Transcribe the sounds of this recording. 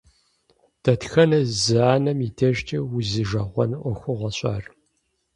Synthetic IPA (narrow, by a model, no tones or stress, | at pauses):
d̥ʰɐtxɐnɐzɨaːnɐmitʰɐʒtʰɐwʊzɨʒɐʁʷɔnʔʷɔxʷʊʁɐɕʼaːr